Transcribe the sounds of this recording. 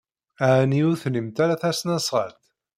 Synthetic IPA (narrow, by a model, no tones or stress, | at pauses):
aʕniuθləmt̪aɾaθæsnæsʁə̰lt̪